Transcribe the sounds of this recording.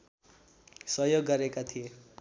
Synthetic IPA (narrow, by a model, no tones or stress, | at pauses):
sʌjoɡːʌɾekat̪ʰije